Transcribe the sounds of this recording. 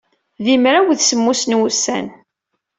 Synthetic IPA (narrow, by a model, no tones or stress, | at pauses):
ðimɾæwðsəmːusnwusæ̰n